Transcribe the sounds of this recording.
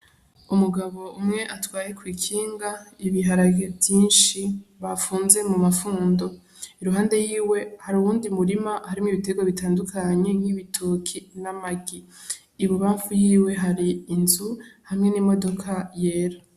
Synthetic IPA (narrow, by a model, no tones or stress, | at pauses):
umuɡaβo̞umŋe̞ʔatwaːje̞kwiːkʰiːŋɡaiβiɦaɾaɡevjiːnʃiβafuːnze̞mumafuːndo̞ | iɾuɦaːnde̞jiːwe̞haɾuβuːndimuɾimahaɾimŋiβiteɡoβitaːndukʰaɲe̞̥hiβitʰokʰinamaɡiː | βuβaːɱvujiːwe̞ɦaɾiːnzuhamŋe̞nimo̞do̞kʰajeːɾa